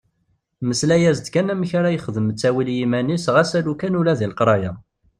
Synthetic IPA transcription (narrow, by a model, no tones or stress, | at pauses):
məslæjæzd̪kænæməçaɾæjəχðəmət͡sːæwiljimænisʁæsælukænulæðilqɾˤɑjæ